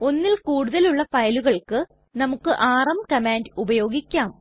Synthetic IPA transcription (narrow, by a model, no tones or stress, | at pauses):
o̞nːilkuːɽuðɐluɭːɐfɐjɐluɣɐɭkɨ | nɐmukːɨʔaːrɐmkɐmaːndubɐjo̞ːɡikʲːaːm